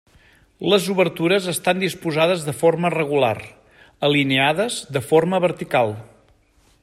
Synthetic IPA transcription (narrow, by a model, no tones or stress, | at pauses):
ləzuβəɾt̪uɾəzəst̪and̪ispuzaðəzðəformərəɣ̞ula̰r | əlineaðəzd̪əfoɾməβəɾt̪ikalˠ